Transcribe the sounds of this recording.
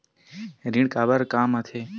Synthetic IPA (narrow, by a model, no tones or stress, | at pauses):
ɾiɳkaːbəɾkaːmət̪ʰeː